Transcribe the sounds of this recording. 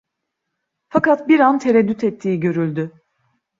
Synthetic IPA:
fakat̪biɾant̪ʰeɾɛd̪ːyt̪ʰɛt̪ʰːiːɟø̞ɾylʲd̪y

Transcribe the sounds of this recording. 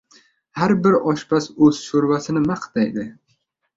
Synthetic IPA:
haɾbɪɾɒʃbasɵz̥ʃoɾvasɪnɪmaqt̪ajd̪ɪ

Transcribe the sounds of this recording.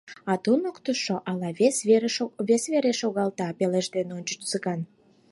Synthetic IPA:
ɑt̪unokt̪əʃoʔɑlɑeseβesβeɾeʃoɣɑlt̪ɑpeleʒd̪enonʲt͡ɕə̥t͡ʃt͡səɣɑn

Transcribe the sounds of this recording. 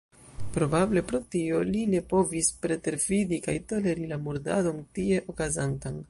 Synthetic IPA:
pɾo̞bable̞pɾo̞tio̞line̞po̞vispɾe̞te̞ɾfidikajto̞le̞ɾilamuɾda̰do̞ntie̞ʔo̞kazantan

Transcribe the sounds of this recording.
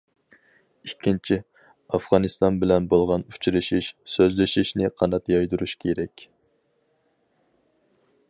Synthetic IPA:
ikʲʰːint͡ʃʰi | ɑfʁɑnɨst̪ɑnbɪlɛnbolˠʁɑnut͡ʃʰɾɪʃiʃsøzlɪʃiʃnɪqʰɑnɑt̪jɑjd̪uɾuʃkʲʰeɾɛkʲ

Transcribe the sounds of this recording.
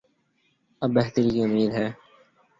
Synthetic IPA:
əbːeɦt̪əɾiːkiʊmiːd̪ɦɛː

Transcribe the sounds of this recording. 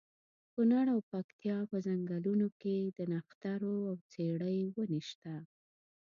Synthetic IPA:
kunaɽawpakt̪jɑpəzaŋɡalunoked̪ənaxt̪aɾoawt͡seɽəjwəniʃt̪a

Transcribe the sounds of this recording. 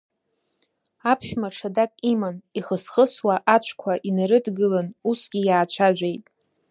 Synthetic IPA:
apʰʃᶣmaʈ͡ʂʰadakʼimaniχəsχəswaʔat͡ʃʷʰkʷʰaʔinaɾɨdɡɨlanusɡʲijaːt͡ɕʷʰaʒᶣʷejtʼ

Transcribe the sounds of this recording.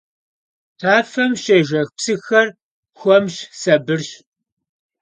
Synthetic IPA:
tʰaːfɐmʃɐʒɐxpsɨxɐr | xʷɔmʃsɐbɨrɕ

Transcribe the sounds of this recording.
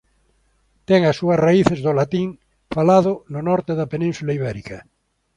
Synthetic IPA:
t̪ɛŋasːuɐsraiθezðolat̪iŋ | falaðʊnʊnɔɾt̪eðɐpenĩnsulaiβɛɾikɐ

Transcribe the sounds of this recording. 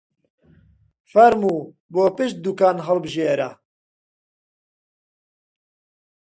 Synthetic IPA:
fɐɾmuː | boːpɨʃt̪̚d̪ukaːnɦɐlbɨʒeːɾa̰

